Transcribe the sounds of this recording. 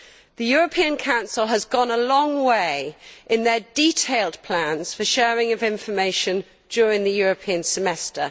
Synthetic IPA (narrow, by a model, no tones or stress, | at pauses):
ðəjɔːɹəpʰĩə̃nkʰãʊ̃nsəlˠəzɡɒ̃nəlɒ̃ŋweɪʔɪ̃nðədiˑtʰeɪlˠdpʰl̥ãnz̥fəʃɛːɹɪ̃ŋəvɪ̃ɱfəmeɪʃə̃n | d͡ʒɔːɹɪ̃ŋðəjɔːɹəpʰĩə̃nsəmɛstə̰